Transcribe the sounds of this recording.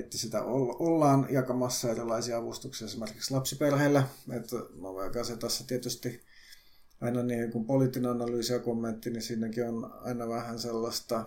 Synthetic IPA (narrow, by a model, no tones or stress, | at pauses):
et̪ːæsit̪æ̰ʔololːɑːnjɑkɑmɑsːɑerilɑisiɑɑʋust̪uksiɑesimerkikslɑpsiperheːlːæet̪no̰ʋekɑset̪ɑsːɑt̪iet̪yst̪i | ɑinɑniːheŋkumpolit̪ːineɑnɑlyːsiɑkomːent̪ːinisiːnækionɑ̰inɑʋæhænselːɑst̪ɑ